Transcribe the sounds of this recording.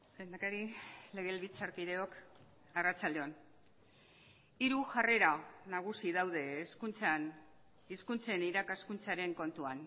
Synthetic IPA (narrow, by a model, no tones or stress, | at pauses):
bend̪akaɾile̞ɣe̞lβit͡saɾkiðe̞o̞k | arat͡sald̪e̞on | iɾuʝare̞ɾanaɣ̞usiðawðe̞ːskunt͡san | iskunt͡se̞niɾakaskunt͡saɾe̞ŋko̞nt̪uan